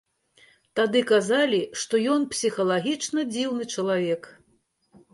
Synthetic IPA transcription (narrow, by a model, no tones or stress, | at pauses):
t̪ad̪ɨkazalʲiʂt̪ɔjɔnpsʲixɐlˠaɣʲit͡ʂnɐd͡zʲiwnɨt͡ʂɐlˠavʲɛk